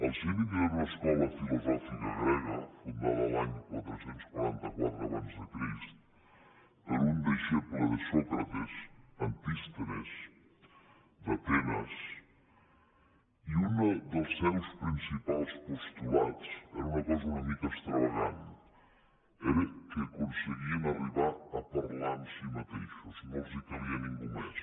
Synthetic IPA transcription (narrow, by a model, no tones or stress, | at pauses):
alˠsiminɛɾunəskɔlɐfilozɔfikaɣɾɛɣafunma̰ðalaɲkwa̰lt̪ɾosent̪skwaɾant̪akwa̰t̪ɾaβanzðəkɾist̪ | eɾund̪iʃepuleðəsɔkɾat̪esɐnt̪ist̪eɾes | d̪at̪ɛnas | iund̪əlˠsːɛwspɾinsipalˠspost̪uat͡sɛɾunɐkɔzɐunəmikast̪ɾəβaʎan | ɛɾəkekunseɣiənariβaːpaɾlansimat̪eʃuzmɔlzikaβiəniŋɡumɛs